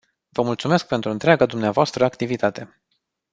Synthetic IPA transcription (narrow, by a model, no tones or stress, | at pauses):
vəmult̪sume̞sk̚pe̞nt̪ɾuɨnt̪ɾeaɡad̪umneavoast̪ɾəakt̪ivit̪at̪e̞